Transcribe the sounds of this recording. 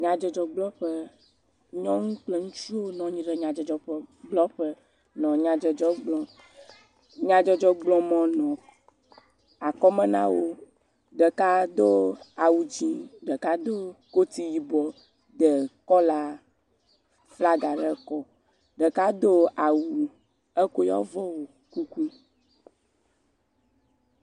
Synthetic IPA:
ɲã˨d͡ʒɛ˨d͡ʒɔ˨ɡ͡blɔ̃˦ɸə˦ | ɲɔ̃˦ŋũ˦k͡ple˨ŋũ˦t͡ʃu˦wo˦nɔ̃˨ɲĩ˦ɖɛ˨ɲã˨d͡ʒɛ˨d͡ʒɔ˨ɸɛ˦ɡ͡blɔ˦ɸə˦ | nɔ̃˨ɲã˨d͡ʒɛ˨d͡ʒɔ˦ɡ͡blɔ̃˨ | ɲã˨d͡ʒɔ˨d͡ʒɔ˦ɡ͡blɔ̃˨mɔ̃˨nɔ̃˨ | a˨kɔ˦mɛ̃˦nã̰˦wo˦ | ɖə˨ka˦d̪o˦a˨wu˨d͡ʒĩ˦ɖə˨ka˦d̪o˦ko˦t̪i˦ji˦bɔ˨ | d̪ɛ˨kɔ˦la˦ | fla˦ɡa˨ɖɛ˦kɔ˦ | ɖɛ˨ka˦d̪o˦a˨wu˨ | ɛ˦ko˦jɔ̰˦vɔ˦wo˨ | ku˦ku˦

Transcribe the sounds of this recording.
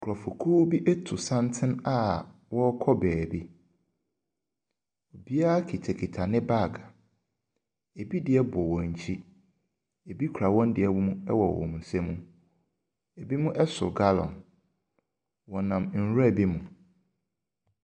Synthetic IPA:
kʰɔ˨fʊ˨kʰuː˦bi˦ʔɛ˦tʰʊ˨sã˦ntʰɪ̃˦na˦wɔ˦kʰɔ˦bɛː˨bi˦ | o˨bi˦a˦a˦kʰi˨tʰɛ˨kʰi˨tʰa˨nɪ̃˦ba˦˨ɡa˨ | e˨bi˦dɪ˨ɛ˦bʊ˨wɔ̃˨ɲ̩˨t͡ɕʰi˦ | e˨bi˦kʰu˨ɾa˨wɔ̃˦n˦dɪ˨ɛ˨˦wʊ˦mũ˦ɛ˦wɔ˨w̰ɔ̰̃˨mũ˨sɛ˦mũ˦ | e˨bi˦mʊ̃˦ʔɛ˦sʊ̰˨ɡa˦lɔ̰̃˨n | wɔ˨nã˨mn̩˨ɾa˦˨bi˦mũ˨

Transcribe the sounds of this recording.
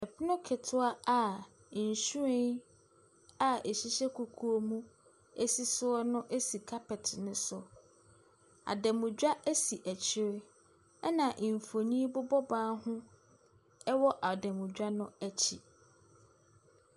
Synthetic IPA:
ɛ˨pɪ˦nʊ̃˦kʰɪ˨tʰʊ˦a˦a˨ | su˦ẽ˦ | a˨e˨ɕi˦ɕɛ˦kʰu˨kʰu˦o˦mũ˦ | e˦si˦sʊ˦ɔ˦nʊ̃˦ʔe˦si˨kʰa˦pɛ˨tʰnʊ̃˦sʊ˨ | a̰˨dɛ̃˨mʊ̃˨d͡ʑᶣa˦æ˦si˨ʔæ˨t͡ɕʰɪ˦ɾɪ˦ | ɛ˦nã˨ʔɱ˨fo˨nĩ˦bʊ˦bɔ˦bãː˦hʊ̃˦ | ɛ˦wɔ˦ʔa˨dɛ̃˨mʊ̃˨d͡ʑᶣa˦nʊ̃˦æ˦t͡ɕʰi˨

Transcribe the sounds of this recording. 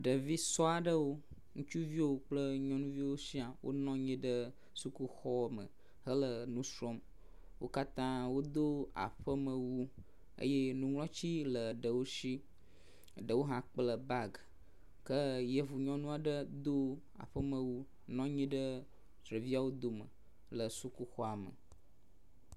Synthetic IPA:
ɖə˨vi˦sɔ˦a˨ɖə˦wo˦ | ŋũ˦t͡ʃu˦vi˦wo˦k͡plə˦ɲɔ̃˦nũ˦vi˦wo˦si˦a˨wʔo̰˦nɔ̃˦ɲĩ˦ɖə˦ | su˦ku˦xɔ˦mə̰̃˨ | ɦə˦lə˨nũ˦sɾɔ˦m | wo̰˦ka˦t̪ã˦wo˦d̪o˦a̰˨ɸə˦mə̃˨wu˦ | ə̰˦je˦nũ˦wlɔ̃˦t͡ɕi˦lə˨ɖə˨wo˦si˦ | ɖə˨wo˦ɦã˦k͡plə˨ba˦ɡ | kə˦jə˦vu˨ɲɔ̃˦nũ˦a˨ɖə˦d̪o˦ | a̰˨ɸə˦mə̃˨wu˦ | nɔ̃˦ɲĩ˦ɖə˦ | t̪ɾə˨vi˦a˨wo˦d̪o˨mə̰˨ | lə˨su˦ku˦xɔ˦a˨mə̰˨

